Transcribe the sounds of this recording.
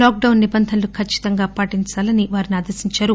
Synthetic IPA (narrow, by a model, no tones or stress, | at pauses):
laːk̚ɖɐwnːibɐnd̪ʱɐnlukʰɐt͡ʃːi̥t̪ɐŋɡaːpaːʈiɲt͡ʃaːlɐniʋaːɾiniaːd̪ɐsiɲt͡ʃaːɾu